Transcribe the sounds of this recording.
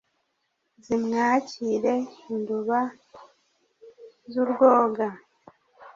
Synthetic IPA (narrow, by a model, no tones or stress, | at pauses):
zimŋaːciɾeinduβa | zuɾɡoːɡa